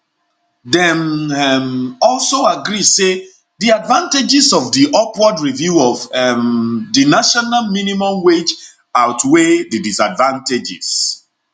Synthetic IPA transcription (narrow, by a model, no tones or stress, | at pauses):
dɛ̃mɛmɔlsoaɡɹise | diadvãnted͡ʒisɔvdiʔɔpwɔdɹivjuɔvɛmdinaʃɔnalminimɔ̃mwed͡ʒ | aʊtʰwedɨdisadvãnted͡ʒḭs